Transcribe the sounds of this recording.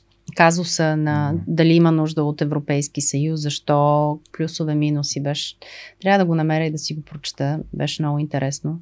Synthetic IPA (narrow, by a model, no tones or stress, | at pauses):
kazʊsənɐd̪ɐliimənuʒd̪əot̪ɛvɾopɛjskisɐjuszɐʃt̪ɔplʲusovɛminusibɛʃt̪ɾʲavəd̪ɐɡonɐmɛɾəid̪ɐsiɡopɾot͡ʃɛ̥t̪əbɛ̰ʃɛmnɔɡʊint̪ɛɾʔɛsno